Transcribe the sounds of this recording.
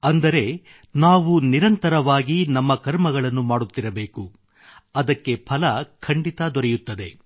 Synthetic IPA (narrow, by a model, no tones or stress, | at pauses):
ɐnd̪ɐɾe̞ | naːʋuniɾɐnt̪ɐɾɐʋaːɡinɐmːɐkɐɾmɐɡɐɭɐnːumaːɽut̪ːiɾɐbeːku | ɐd̪ɐkːe̞pʰɐlɐkʰɐɳɖit̪ɐd̪ɔɾɛjut̪ːɐd̪e̞̰